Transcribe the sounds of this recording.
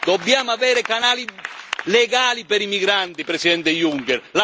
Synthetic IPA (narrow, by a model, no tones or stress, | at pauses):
d̪ɔbːjaːmavɛːɾekanaːlilɛɡaːlipɛɾimiɡɾant̪ipɾesid̪ɛnt̪ejuŋkɛɾla